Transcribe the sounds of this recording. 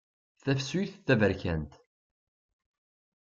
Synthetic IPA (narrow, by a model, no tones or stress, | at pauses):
θæfsuθθævəɾçænt̪